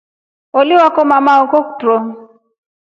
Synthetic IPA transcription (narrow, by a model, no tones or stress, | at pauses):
oliwakɔmamaɔkɔkutɾɔŋ